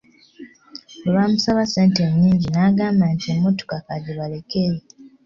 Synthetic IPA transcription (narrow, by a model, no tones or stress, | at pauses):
oβaːmusaβase̞ːnte̞ɲːiːɲɟinaːɡaːmbantiomoto̥kakaɟeβale̞keɾe